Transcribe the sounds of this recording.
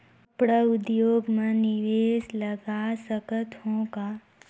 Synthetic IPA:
pɽəʊd̪joːɡmẽnɪʋeːsləɡasəkət̪ɦõka

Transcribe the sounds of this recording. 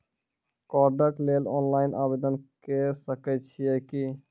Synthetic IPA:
kɔɾɖəʈlelɔ̰nlajnʔa̰bed̪ənkesəkɛt͡ʃʰijɛki

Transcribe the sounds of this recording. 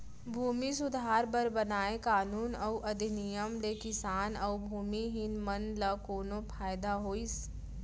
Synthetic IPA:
bʱuːmis̬ʊd̪ʱaːɾbəɾbɐnaːẽkaːnuːnɐuʔɐd̪ʱinijəmlekɪsaːnɐʊbʱuːmiɦɪnmɐnlakoːnõpʰaːjd̪aɦoːis

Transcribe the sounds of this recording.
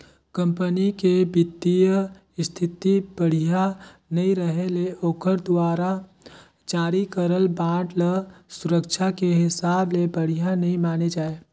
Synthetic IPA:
kə̃mpənikebɪt̪ːijə | ɪst̪ʰɪt̪ib̥əɽ̤ija | nɐɦĩɾəɦeleʔoːkʰəɾd̪waːɾa | d͡ʒaːɾikəɾəlbãːʈləsʊɾəkt͡ʃʰakeɦɪsaːblebəɽ̤ijanɐɦĩmaːned͡ʒaːe

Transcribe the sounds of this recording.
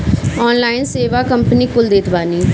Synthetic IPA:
ɔːnlaːɪnseːʋaːkəmpəniːkʊld̪eːt̪baːniː

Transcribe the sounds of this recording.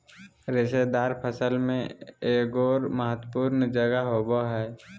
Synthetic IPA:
ɾɪsed̪aːɾpʰəsəlmẽeːkɔːɾməɦət̪puːɾnd͡ʒəɡəɦoːboɦɛː

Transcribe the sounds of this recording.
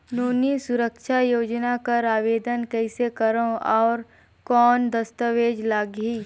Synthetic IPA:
noːnisʊɾəkʃʰajoːd͡ʒnakɐɾaːʋeːd̪ənkɛɪsekɐɾõɔːɾ | kɔːnd̪əst̪əʋeːd͡ʒlaːɡɦiː

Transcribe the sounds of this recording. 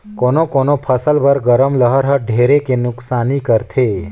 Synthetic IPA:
konokonopʰəsəlbəɾɡəɾəmləɦəɾɦəɖʱeɾekenʊksanikəɾt̪ʰe

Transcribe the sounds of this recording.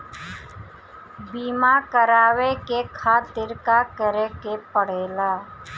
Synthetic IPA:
biːmakəɾaːwekekʰaːt̪ɪɾkakəɾekepəɽ̤eːlaː

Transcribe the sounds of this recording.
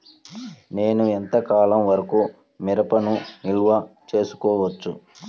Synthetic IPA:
ne̞ːnuent̪ɐkaːlɐmʋɐɾɐku | miɾɐpɐnunilʋɐt͡ʃe̞ːsu̥kɔːʋɐt͡ʃːu

